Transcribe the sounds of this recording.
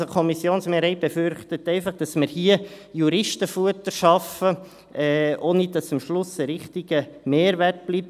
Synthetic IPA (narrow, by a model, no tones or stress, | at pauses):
okʰɔmisjoːnsmeːɾɛɪb̥efʏɾχtətɛɪfɑχd̥ɑsməɾhiəjuɾɪʃtəfuətəʃɑfə | ʔɛʔoːnidɑsəmʃlʊsəɾɪχtiɡ̥əmeːɾʋært̚b̥lip̚